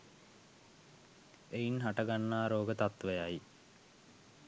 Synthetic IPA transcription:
einɦaʈəɡanːaːɾoːɡət̪at̪ʋəjaj

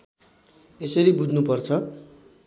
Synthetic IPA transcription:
esʌɾibud͡zʱnupʌrt͡sʰʌ

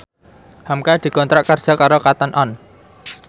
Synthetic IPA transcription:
hamkad̪̥i̤kɔnt̪ɾaʔkərd̥ʒ̥a̤kaɾokat̪ənʔɔn

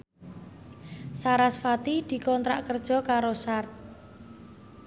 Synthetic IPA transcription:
saɾasfat̪id̪̥i̤kɔnt̪ɾa̰ʔkərd̥ʒ̥ɔ̤kaɾosar

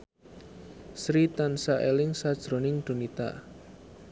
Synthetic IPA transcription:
sɾit̪ansaʔelɪŋsad̥ʒ̥ɾo̤nɪŋd̪̥o̤nit̪a̰

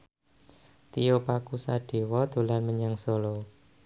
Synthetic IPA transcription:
t̪ijopakusaɖ̥e̤wɔd̪̥o̤lanməɲaŋsolo

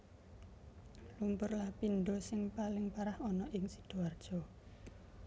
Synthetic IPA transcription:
lumpʊrlahpinɖɔsɪŋpalɪŋpaɾahɔnɔʔɪŋsid̪̥oard̥ʒ̥ɔ̤

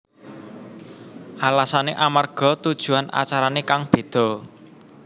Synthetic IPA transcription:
ʔalasaneʔamarɡ̥ɔ̤t̪ud̥ʒ̥ṳanʔa̰t͡ʃaɾanekaŋb̥e̤d̪̥ɔ̤

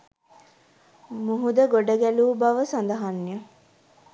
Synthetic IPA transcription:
muɦud̪əɡoɖəɡæluːbaʋəsand̪əɦanːjə

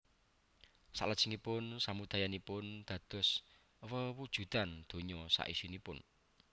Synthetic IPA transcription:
sa̰ʔləd̥ʒ̥əŋipʊnsamud̪̥a̤janipʊnd̪̥ä̤d̪̥ɔ̤s | wəwud̥ʒ̥ṳd̪̥and̪̥o̤ɲɔsa̰ʔisinipʊn

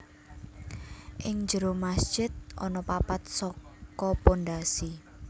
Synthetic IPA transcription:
ʔɪŋd͡ʒəɾomasd̥ʒ̥ɪt̪̚ʔɔ̰nɔpapat̪̚sɔkɔponɖasi

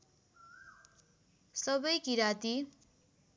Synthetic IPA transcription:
sʌbʌjkiɾat̪i

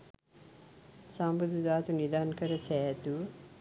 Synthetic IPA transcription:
sambud̪ud̪aːt̪unid̪aːnkəɾɐsæːt̪u

